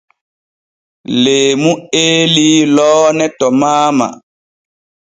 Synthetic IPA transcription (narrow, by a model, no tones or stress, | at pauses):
leːmuelilɔːnɛtɔmaːma̰